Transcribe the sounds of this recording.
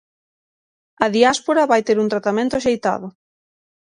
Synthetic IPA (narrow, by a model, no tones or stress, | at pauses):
ɐðiaspoɾaβajt̪eɾunt̪ɾat̪amẽnt̪ʊaʃejt̪a̰ðʊ